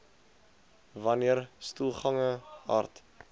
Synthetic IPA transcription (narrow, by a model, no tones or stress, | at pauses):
vɐniərstulˠχɐŋəɑ̰ːrt